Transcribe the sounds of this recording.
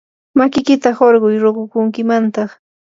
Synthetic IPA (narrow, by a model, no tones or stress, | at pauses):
makɪkɪt̪ahoɾɢʊjɾoɢʊkʊŋkɪmant̪ɑχ